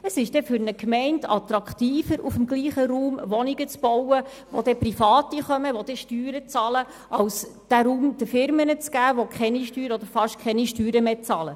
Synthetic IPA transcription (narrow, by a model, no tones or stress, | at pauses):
əsɪʃd̥ɛfʏɾnəkmɛɪntɑt̪ɾɑkχtiːfəɾʔufəmɡliːχəɾuːmʋɔniɡət͡sb̥ɔwə | ʋod̪ɛprifɑːtiχœməʋod̥̪ɛʃtyːɾət͡sɑːlə | ʔɑwsd̥æɾuːmd̥̪əfɪɾmənət͡sɡ̥æːʋokχɛniʃtyːɾəɔd̪əɾfɑʃkʰɛniʃtyːɾəmeːt͡sɑːlə